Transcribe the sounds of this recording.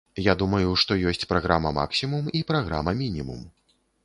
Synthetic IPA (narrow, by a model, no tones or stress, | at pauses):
jad̪umɐjuʂt̪ɔjɔsʲt͡sʲpɾaɣɾamɐma̰ksʲimumipɾaɣɾa̰mɐmʲinʲimṵm